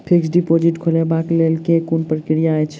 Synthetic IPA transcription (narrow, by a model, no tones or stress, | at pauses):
pʰiksɖipod͡ʒiʈkʰolebaklelkekunpɾkɾijaɛt͡ʃʰ